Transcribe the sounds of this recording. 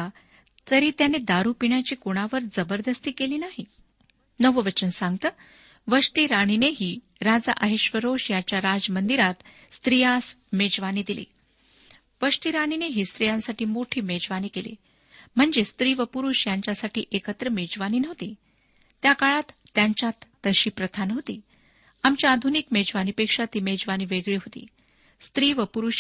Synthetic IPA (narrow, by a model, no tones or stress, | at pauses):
a | t̪əɾiːt̪janed̪aɾupiɳjat͡ɕiːkoɽ̃aʋəɾd͡zəbəɾd̪əst̪iːkeliːnaɦi | nəʋəʋət͡ɕənsãŋɡ̚t̪əː | ʋəʂt̪iɾaɳ̃ineɦiː | ɾad͡za̰ʔəɦiɕʋəɾoʂjat͡ɕjaɾad͡zmənd̪iɾat̪ | st̪ɾijasmed͡zʋaniːd̪ilḭː | ʋəʂt̪iɾaɳ̃ineɦiːst̪ɾijãnsaʈiːmoʈʰiːmed͡zʋaniːkelḭː | m̤əɳd͡zest̪ɾiːʋəpuɾuʂjaɲt͡ɕjasaʈʰiːʔekət̪ɾəmed͡zʋaniːnəʋt̪iː | t̪jakaɭat̪ːjaɲt͡ɕjat̪ːəɕiːpɾət̪ʰanɦot̪ḭː | amt͡ɕjaad̪ʱunikmed͡zʋaniːpekʂat̪iːmed͡zʋañiːʋeɡɭiːɦot̪ḭː | st̪ɾiːʋəpuɾuʂ